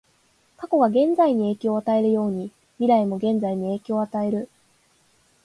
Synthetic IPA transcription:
kako̞ɡaɡẽ̞nd͡zaiɲ̟ie̞ːkʲooːat̪ae̞ɾɯ̟jo̞ːɲ̟i | mʲiɾaimo̞ɡẽ̞nd͡zaiɲ̟ie̞ːkʲooːat̪ae̞ɾɯ̟

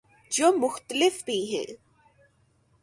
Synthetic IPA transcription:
d͡ʒoːmʊxt̪əlɪfbʱiɦɛ̰ː

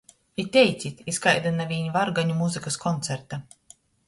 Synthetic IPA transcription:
it̪ʲɛjt̪sʲit̪ʲiskajd̪anavʲiːɲvaɾɡaɲumuzɨkaskɔnt̪sɛɾt̪a

